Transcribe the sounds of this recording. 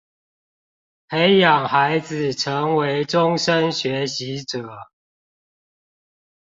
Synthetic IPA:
he˦ɪjɑ˨˩ŋxa˨˦ɪd͡zɨ˨˩ʈ͡ʂʰə˨˦ŋwe˨˦ɪʈ͡ʂʊ˦ŋʂə˦nɕɥɛ˨˦ɕi˨˦ʈ͡ʂɤ˨˩˦

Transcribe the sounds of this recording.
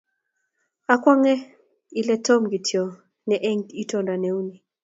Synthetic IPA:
a˨kwa˦ŋɛ˦ | ilɛ˦tɔmɡi˨tʰjɔ˨ | nɛʔɛ˦ŋi˦tɔnda˨nɛuni˨

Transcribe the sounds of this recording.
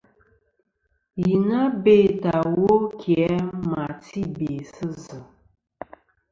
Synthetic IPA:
ji˨na˦be˦˨ta˨wo˦kʰjɛ˨˦ma˨ti˦be˨sə˦zə˨

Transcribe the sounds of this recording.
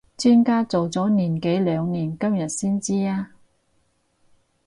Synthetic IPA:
t͡ʃyː˥nkaː˥t͡so˨wt͡sɔː˨˥niː˨˩nke˨˥jlœː˨˧ŋniː˨˩nkɐ˥mjɐ˨t̚siː˥nt͡siː˥aː˥

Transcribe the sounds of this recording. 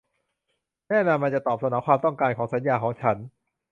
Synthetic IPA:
nɛː˥˩na˧mːa˧nt͡ɕa˨˩t̪ɔː˨˩p̚sʰa˧˥nɔː˩˥kwaː˧mt̪ɔ˥˩ŋkaː˧nkʰɔː˩˦ŋsa˩˦njaː˧kʰɔː˩˦ŋt͡ɕʰa˦˥n

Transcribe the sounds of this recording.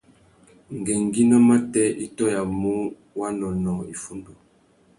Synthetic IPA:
ŋ˨ɡɛ˨ŋɡi˦na˦ma˦tɛ˦ʔi˦tɔ˦ja˨mu˦ | wa˦nɔ˨nɔ˨i˨fu˦ndo˨

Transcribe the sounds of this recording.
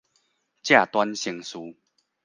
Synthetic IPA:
t͡ɕja˥˨t̪wa˦nɕi˧˦ŋsuː˧˦

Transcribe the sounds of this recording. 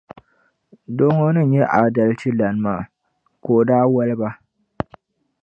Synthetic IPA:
do˦ŋo˦nɨ˦˨njɛ˦ʔa˨da˨lt͡ʃi˦la˨n˦maː˦˨ | koː˨daː˦wɐ˦lba˦

